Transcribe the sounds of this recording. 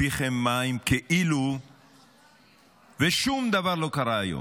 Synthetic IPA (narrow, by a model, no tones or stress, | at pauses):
iχemːaimkeʔilu | veʃumd̪avaʁlo̞kaʁaːjo̰